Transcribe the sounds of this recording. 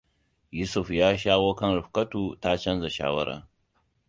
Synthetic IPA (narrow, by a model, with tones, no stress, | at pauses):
ju˦su˨fjaː˦ʃaː˦ɣoː˦kɐ˦nɾɪ˨ɸkɐ˦tuː˨ta˦t͡ʃɐ˦nza˨ʃa̰ː˦wɐ˦ɾa̰ː˨